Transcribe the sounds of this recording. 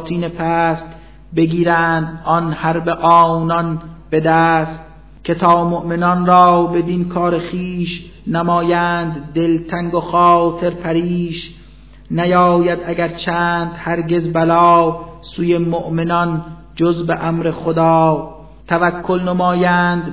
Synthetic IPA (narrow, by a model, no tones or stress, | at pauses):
t̪ʰiːnepʰæːst̪ | beɡiːɾæːnd̪ʔɒnhæɾbeʔɒːwnɒnbe̞d̪æːst̪ | kʰe̞t̪ʰɒːmoʔmenɒnɾɒːbe̞d̪inkʰɒːɾeχiːʃ | næmɒːjæːnd̪ːe̞lt̪ʰæŋɡoxɒːt̪ʰe̞ɾpʰæɾiːʃ | næjɒːjæd̪æɡæɾt͡ʃʰæːnd̪hæɾɡe̞zbælɒːwsuːje̞moʔmenɒn | d͡ʒozbeʔæmɾexod̪ɑː | t̪ʰævækʰːolnemɑːjænd̪